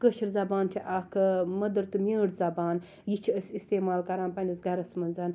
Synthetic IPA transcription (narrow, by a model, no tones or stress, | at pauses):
kəʃʰiɾzɐbaːntʲʰiʔaːkʰmɐd̪ɐɾt̪ɨmʲeːɽzɐbaːn | jit͡ʃʰiɐsʲist̪eːmaːlkɐɾaːnpɐnʲisɡɐɾɐsmɐnzaːn